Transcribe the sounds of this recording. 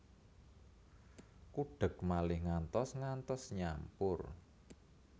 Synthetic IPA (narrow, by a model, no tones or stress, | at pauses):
kuɖ̥ə̤k̚malɪhŋant̪ɔsŋant̪ɔsɲampʊr